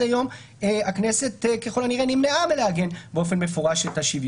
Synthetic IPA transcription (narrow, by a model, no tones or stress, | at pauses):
ajo̞m | eaknese̞t̪keχolaniʁenimneʔameleaɡe̞nbeo̞fe̞nme̞foʁaʃethaʃiv